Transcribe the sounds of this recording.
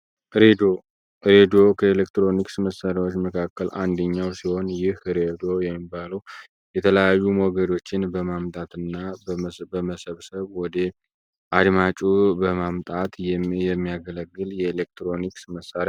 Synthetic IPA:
ɾed̪o̞kʰəelekt̪ɾo̞niksməsaɾjawot͡ʃːməkʰakːəlʔand̪əɲːawsiho̞njɪhɾed̪o̞jɛmːibaləw | jɛt̪ʰələjajːumɔɡəd̪o̞t͡ʃːɪnbəmamt̪ʼat̪ɨnːabbəməsəβsəβwɔd̪ | ʔad̪mat͡ʃʼubəmamt̪ʼat̪jɛmːijaɡələɡːɨljɛelek̚t̪ɾo̞niksməsːaɾa

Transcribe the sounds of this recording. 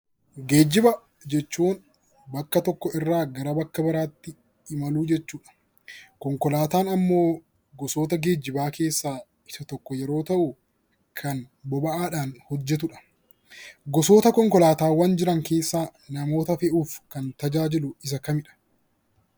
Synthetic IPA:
ɡeːd͡ʒɪbɐ | d͡ʒɛt͡ʃːuːn | bɐkːɐt̪ɔkːɔɪrːaːɡɐɾɐbɐkːɐbɐɾaːt̪ːɪ | ɪmɐluːd͡ʒɛt͡ʃːuːᶑɐ̥ | kɔŋkɔlaːt̪aːnɐmːo̞ː | ɡɔso̞ːt̪ɐɡe̞ːd͡ʒɪbaːke̞ːsːaː | ɪsɐt̪ɔkːɔjɛɾo̞ːt̪ɐʔʊ | kʰɐnbɔbɐʔaːᶑaːnhɔd͡ʒːɛt̪̬ʊᶑɐ̥ | ɡɔso̞ːt̪ɐkɔŋkɔlaːt̪aːwɐnd͡ʒɪɾɐŋke̞ːsːaːnɐmo̞ːt̪ɐfɛʔuːfkɐnt̪ɐd͡ʒaːd͡ʒɪlʊɪs̬ɐkɐmɪᶑɐ̥

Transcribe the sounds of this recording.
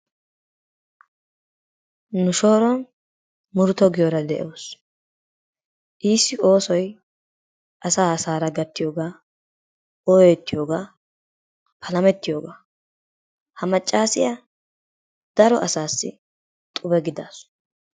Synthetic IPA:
nʊʃo̞ːɾɔn | mʊɾʊt̪ɔɡɪjoɾɐd̪ɛʔoːs | ʔiːsːɪʔo̞ːsɔj | ʔɐsaːɐsaːɾɐɡɐt̪ːɪjo̞ːɡaː | ɔjɔjt̪ːɪjoːɡaː | pʰɐlɐmɛt̪ːɪjo̞ːɡaː | hɐmɐt͡ʃʼːaːsɪja | d̪̥ɐɾɔʔɐsaːsːɪ̰ | t̪ʼʊbɛɡɪd̪aːs

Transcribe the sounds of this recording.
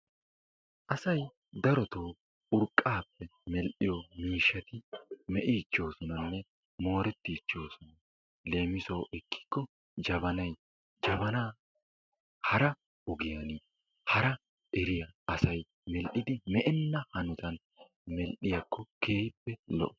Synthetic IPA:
ʔɐsɐj | d̪ɐɾɔt̪oː | ʊɾkʼːaːpːɛmɛlʔɪjɔmiːʃːɐt̪ɪmɛʔit͡ʃːo̞ːsɔnɐnːɛ | mo̞ːɾɛt̪ːit͡ʃːo̞ːsɔnɐ | le̞ːmɪsoːʔɛkːɪ̥kːɔ | d͡ʒɐbɐnɐj | d͡ʒɐbɐnaː | hɐɾɐ | ʊɡɪjɐni | hɐɾɐ | ʔɛɾɪjɐɐsɐj | mɛlʔɪd̪ɪmɛʔɛnːɐhɐnʊt̪ɐn | mɛlʔɪjɐkːɔke̞ːjɪpːɛlɔ̰ʔɔ

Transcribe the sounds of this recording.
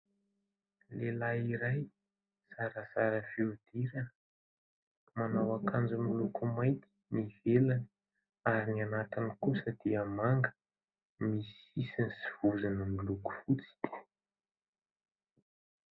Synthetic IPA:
lelaiɾaj | saɾəsaɾəfeud̪̥iɾə | manawakand͡zumilukumajt̪ʰi̥nivelan | aɾinianat̪inikusəd̪̥iəmaŋɡə̥ | misisinisi̥vuzanəmiluku̥fut͡si̥d̪̥i̥

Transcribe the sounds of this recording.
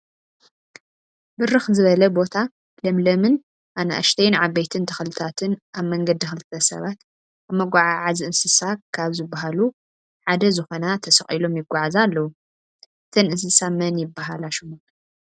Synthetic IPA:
bɨɾɨxzɨβɐlɐbo̞t̪ʰa | lɐmlɐmɨn | ʔanɐʔa̰ʃt̪ʰɐjnʕaβejt̪ʰɨnt̪ʰɐxɐlɨt̪ʰat̪ʰɨnʔaβmɐŋɡɐd̪ːixɨlɨt̪ʰːɐsɐ̰βat̪ | aβmɐɡʷaʕaʕaziɨnsɨsakʰaβzɨbːaɦalu | ħad̪ɐzɨxo̞nat̪ʰɐsɐχʼilo̞mjɪɡʷːaʕazalːɐwu | ʔɨt̪ʰɐnʔɨnsɨsamɐnjɪbːaɦalaʃɨmu

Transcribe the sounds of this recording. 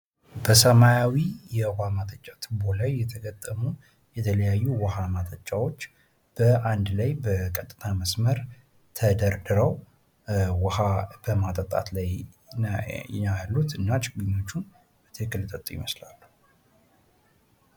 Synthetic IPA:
bəsəmajawijɛwamat̪ʼət͡ʃʼːat̪ʰɨbolajːɛt̪ʰəɡət̪ʼːəmu | jɛt̪ʰələjajːuwəhamat̪ʼət͡ʃʼawo̞t͡ʃː | b̥əʔand̪lajbəkʼət̪ʼːɨ̥t̪ʰaməsməɾ | t̪ʰəd̪əɾd̪ɨɾəw | whab̥əmat̪ʼət̪ʼa̰t̪laj | ajlːut̪ɨnːat͡ʃʼɪɡuɲːo̞t͡ʃːun | bət̪ʰɨɨkːɨlɨt̪ʼət̪ʼujɪ̰məslalːuhu

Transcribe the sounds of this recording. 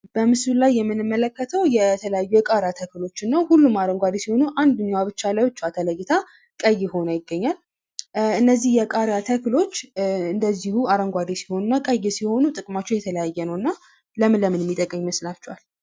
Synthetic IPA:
b̥əmɨsulajːɛmːɨnɨmːələkːət̪ʰəwjɛt̪ʰələjajːujɛkʼaɾjat̪ʰəkɨlo̞t͡ʃːɪnːəwhulːumaɾəŋɡʷad̪isiho̞nuʔand̪ɨɲːwaβɨt͡ʃːalaɨt͡ʃːat̪ʰələɡɪt̪ʰa | kʼəjːɪho̞najɪɡːəɲːal | ɨnːəzːihjɛkʼaɾjat̪ʰəklo̞t͡ʃːɨnd̪əzːihuaɾəŋɡʷad̪isi̥ho̞nɨnːakʼəjːɪsiho̞nut̪ʼɨkʼmat͡ʃːɛwjɛt̪ʰələjajːɛnəwɨnːa | ləmɨləmɨnɛmːit̪ʼəkʼːəmːməslat͡ʃːɛwal

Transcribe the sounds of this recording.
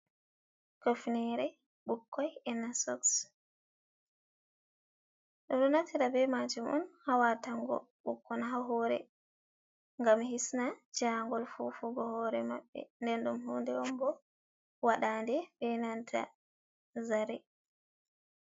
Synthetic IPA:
kofnɛɾɛ | ɓukːɔjɛnasɔ̰ks | ɗɔɗɔnatʰiɾabɛmad͡ʒumʔɔ̰nhawataŋɡɔ̰ | ɓukːɔnɦaɦɔːɾɛ̰ | ŋɡamhisnad͡ʒaŋɡɔlfufuɡɔhɔɾɛma̰ɓːɛ̰ndɛnɗumɦɔndɛwɔmbɔ | waɗaːndɛbɛnantʰa̰ | zaɾɛ

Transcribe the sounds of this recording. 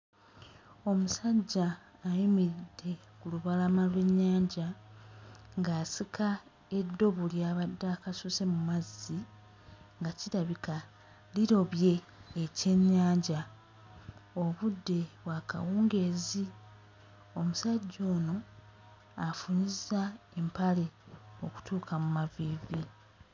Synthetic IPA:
o̞musaɟːaː | jimiɾidːe̞ | kuluβalamalwe̞ɲːaːɲɟa | ŋɡaːsikʰa | e̞dːo̞βuljaːβadːakasuse̞mumazːi | ŋɡaciɾaβika | liɾo̞βje̞ː | ce̞ɲːaːɲɟa | o̞βudːe̞βwaːka̰wuːŋɡe̞ːzi | o̞musaɟːo̞ːno̞ | afuɲizae̞mpale̞o̞̰ku̥tʰuːkʰamumaviːvi

